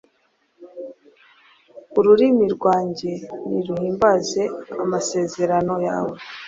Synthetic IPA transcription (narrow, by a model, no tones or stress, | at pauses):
uɾuɾimiɾɡwaːɲɟe̞niɾuhiːmbaze̞amase̞ːze̞ɾano̞ja̰ːwe